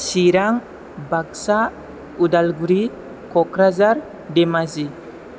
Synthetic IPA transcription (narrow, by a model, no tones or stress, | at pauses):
siɾaŋ | baksa | udalɡuɾi | kɔkɾazaɾ | demazi